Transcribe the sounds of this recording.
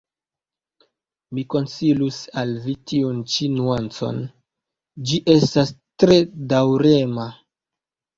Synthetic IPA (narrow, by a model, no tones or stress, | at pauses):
miko̞nsilusalvitiunt͡ʃinuant͡so̞̰n | d͡ʒiʔe̞stastɾe̞dawɾe̞ma